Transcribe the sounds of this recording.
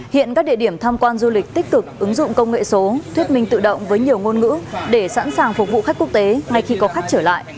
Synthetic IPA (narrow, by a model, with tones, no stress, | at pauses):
hḭ˧˨ənkaː˦˥k̚ɗḭ˧˨əɗi˧˩əmt̪ʰaː˧mkwaː˧nzu˧lï˨˩k̟̚t̪ï˦˥k̟̚kɨ˨˩k̚ʔɨ˨˦ŋzʊ̰˧˨ŋ͡mkə˧wŋ͡mŋḛ˧˨so˨˦t̪wi˦˥ət̚mï˧ŋ̟t̪ɨ̰˧˨ɗə̰˧˨wŋ͡mvəː˨˦jɲi˨˩əwŋo˧nŋɨ̰˧˥ɗe˧˩sa̰ː˧˥nsaː˨˩ŋfʊ˨˩k͡p̚vṵ˧˨xa˦˥k̟ku˦˥k̚t̪e˨˦ŋa˧jxi˧kɔ˨˦xa˦˥jk̚t͡ɕəː˧˩la̰ː˧˨jʔ